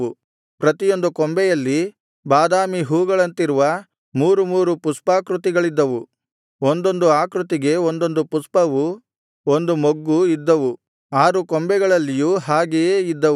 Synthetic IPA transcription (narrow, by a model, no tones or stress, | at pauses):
u | pɾɐt̪ijo̞nd̪ukɔmbɛjɐlːi | baːd̪aːmiɦuːɡɐɭɐnt̪iɾuʋɐ | muːɾumuːɾupuspaːkɾut̪iɡɐɭid̪ːɐʋu | ond̪o̞nd̪uaːkɾut̪iɡe̞ond̪o̞nd̪upuspɐʋu | ond̪umoɡːuid̪ːɐʋu | aːɾukombɛɡɐɭɐlːijuːɦaːɡejeːid̪ːɐ